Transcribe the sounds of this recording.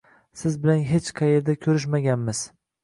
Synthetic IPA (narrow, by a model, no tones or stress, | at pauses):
sɪzbɪlanɦet͡ʃqʰɑje̞ɾd̪akʲʰɵɾɪʃmaɡʲanmɪz̥